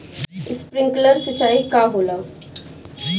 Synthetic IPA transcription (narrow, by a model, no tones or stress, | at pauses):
ɪspɾɪ̃ŋkləɾsət͡ʃaːikaːɦoːlaː